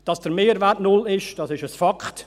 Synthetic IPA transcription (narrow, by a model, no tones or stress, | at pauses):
d̥ɑsd̥əɾmeːɾvɛɾtnʊlɪʃd̥ɑsɪʃəsfɑkχt